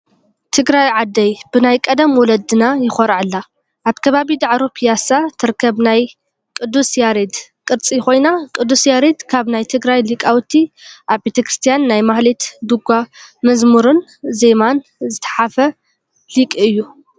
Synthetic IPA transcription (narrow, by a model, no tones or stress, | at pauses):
t̪ʰɨɡɾajʕad̪ːɐjb̥ɨnajkʼɐd̪ɐmwɔlɐd̪ɨnajɪxɔɾʕɨlːa | ʔaβkʰɐβaβid̪aʕɾopʰijasat̪ʰɨɾkʰːɐβnaj | kʼɨd̪ːusjaɾed̪kʼɨɾt͡sʼixo̞jnakʼɨd̪ːusjaɾed̪kʰaβnajt̪ʰɨɡɾajlikʼawt̪ʰiʔaβbet̪ʰɐkɾɨ̥st̪ʰijanːajmahlet̪d̪uɡʷamɐzmuɾun | ze̞man | zɨt̪ʰɐ̥ħafɐ | likʼiɨjːu